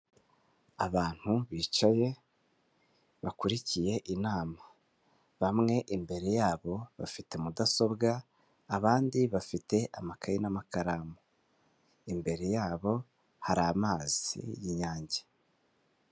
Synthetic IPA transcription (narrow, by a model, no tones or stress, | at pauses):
aβaːn̥huβiːt͡ʃaje̞ | βakuɾicije̞ʔinaːma | βamŋe̞ʔimbe̞ɾe̞jaːβo̞βa̰fite̞mudaso̞bɡaː | βaːndiβafite̞ʔamakʰajinamakaɾamo | imbe̞ɾe̞jaːβo̞ | haɾaːmaːz̥ḭjiɲaːɲɟe̥